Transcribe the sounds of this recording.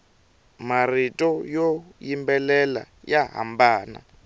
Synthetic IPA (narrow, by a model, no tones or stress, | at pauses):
maritʼɔjɔjimbɛlɛla̰ | jaɦa̰mbaːna̰